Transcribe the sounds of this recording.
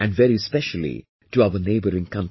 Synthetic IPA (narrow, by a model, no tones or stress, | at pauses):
æ̃nɖvɛɾispɛʃəl̩ḭ | ʈuaʊəneɪbəɾɪ̃ŋkʰʌ̃n